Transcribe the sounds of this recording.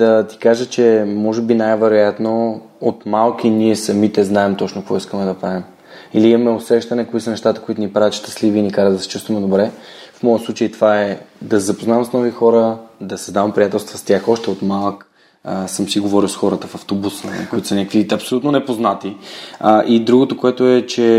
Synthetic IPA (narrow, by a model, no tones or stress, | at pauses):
d̪ɐt̪i̥kaʒət͡ʃɛmɔʒɛbinajvɛɾojat̪no | ot̪malˠk̟iniɛsɐmit̪ɛznaɛmt̪ɔt͡ʃnokvɔiskəmɛd̪ɐpɾavim | iliimɐmɛosɛʃt̪ɐnɛkoisənɛʃt̪at̪əkoit̪ʊnipɾavɛt̪ʃt̪ə̥sliviːnikaɾəd̪d̪ɐst͡ʃust̪vɐmɛd̪obɾɛfmɔjətslˠut͡ʃəjt̪ovaɛd̪ɐsɛzɐpoznavmsnɔvixɔɾəd̪ɐsɛzd̪avɐmpɾʲijat̪ɛlˠst̪vɐst̪ʲaxɔʃt̪ɛot̪malˠk | əsəmsiɡovɔɾilˠsxɔɾət̪əfɐft̪obusnə̰koit̪o̥sənʲakəkviɐpsolʲut̪nonɛpoznat̪i | ʔid̪ɾuɡot̪okoɛt̪oɛt͡ʃɛ